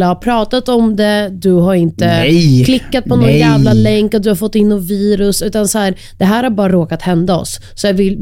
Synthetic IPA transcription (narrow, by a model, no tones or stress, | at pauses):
ahapʰɾɑːt̪at̪ɔmd̪ɛd̪ɵɦaɾɪnt̪əkʰlɪkːat̪̚pʰɔnɔnjæːvlalɛŋkːat̪d̪ɵhaɾfɔt̪ːɪnːɔviːɾɵsʉ̟ːt̪ansɔhæːɾ | d̪̥ɛɦæːɾhaɾbɑːɾaɾoːkat̪hɛnd̪aɔ̰sːɔjɑvɪl